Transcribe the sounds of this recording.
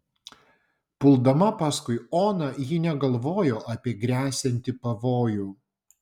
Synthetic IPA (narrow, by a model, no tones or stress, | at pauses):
pʊlˠd̪ɐmɐpɑːskʊɪoːnɐjiːnʲɛɡɐlˠʋoːjoːʔɑpʲiɛɡɾʲæːsʲɛnʲt̪ʲɪpɐʋoːjuː